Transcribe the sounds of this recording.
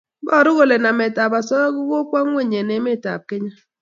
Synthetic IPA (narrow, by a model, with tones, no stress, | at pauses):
ɡɔ˦˨ɾʊ˦ɣo˨le˨na˨mɛ˨ta˨ba˨sɔ˦ɔ˦ɡʊ˦ɡo˦kwa˦ŋwe˦˨ɲe˨ne˨˦me˦˨ta̰˨p̚kɪ˦ɲa˦